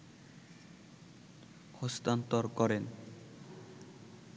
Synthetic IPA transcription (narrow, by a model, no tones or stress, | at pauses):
hɔst̪ant̪oɾkɔɾen